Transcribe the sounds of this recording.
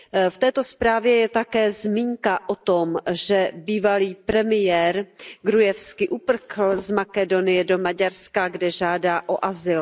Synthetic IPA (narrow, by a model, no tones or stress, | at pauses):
ft̪ɛːt̪o̞spɾaːvjɛjɛt̪akɛːzmiːŋkaʔot̪omʒɛbiːvaliːpɾɛmɪjɛːɾɡɾujɛfskɪʔupr̩xl̩zmakɛdo̞nɪjɛdomaɟaɾskaɡdɛʒaːdaːʔoʔazɪl